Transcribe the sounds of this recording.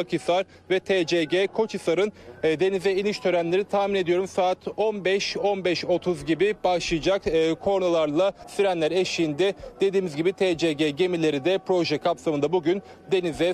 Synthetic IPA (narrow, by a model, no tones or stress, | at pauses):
akɯsaɾ | vɛt̪ʰed͡ʒeɟekʰo̞t͡ʃɯsaɾɯnd̪e̞nizɛiniʃt̪ʰø̞ɾænlʲe̞ɾit̪ʰahmine̞d̪ijo̞ɾumsaːt̪ʰo̞nbɛʃo̞nbɛʃo̞t̪ʰuzɟibib̥aʃlˠɯjɯd͡ʒakːkʰo̞ɾnulˠaɾlˠasyɾænlʲæɾeʃijind̪ɛd̪̥e̞d̪iːmizɟibit̪ʰed͡ʒeɟeɟe̞milʲe̞ɾid̪ɛpɾo̞ʒɛkʰapsamɯnd̪abuɟyn | d̪e̞nizɛ